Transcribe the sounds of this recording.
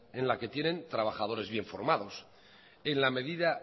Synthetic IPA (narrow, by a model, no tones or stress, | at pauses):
e̞nlake̞t̪je̞nẽ̞nt̪ɾaβ̞axað̞o̞ɾe̞zβje̞ɱfo̞̰ɾmað̞o̞s | e̞nlame̞ðiða